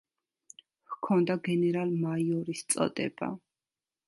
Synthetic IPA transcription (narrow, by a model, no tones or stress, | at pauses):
hkʰɔnd̪aɡɛnɛɾalˠmaiɔɾist̪sʼɔ̰d̪ɛ̰b̥a̰